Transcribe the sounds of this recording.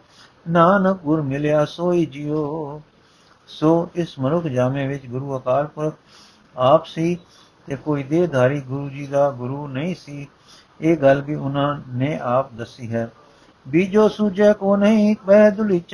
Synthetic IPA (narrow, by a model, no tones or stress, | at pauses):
naːnək̚ɡʊɾmɪljaːsoːiːd͡ʒioː | soːɪsmənʊkʰd͡ʒaːmẽːʋɪt͡ʃɡʊɾuːəkaːlpʊɾkʰ | aːpsiː | t̪eːkoːiːd̪eːd̪ʱaːɾiːɡʊɾuːd͡ʒiːd̪aːɡʊɾuːnəĩːsiː | eːɡəlbiːʊnãːneːʔaːp̚d̪əsiːɦɛː | biːd͡ʒoːsuːd͡ʒeːkoːnəĩːbɛːd̪ʊliːt͡ʃ